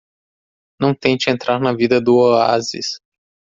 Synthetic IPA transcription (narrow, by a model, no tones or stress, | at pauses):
nɐ̃w̃t̪ẽj̃d͡ʒɪẽnt̪ɾaɾnɐvid̪ɐd̪ʊoa̰zḭs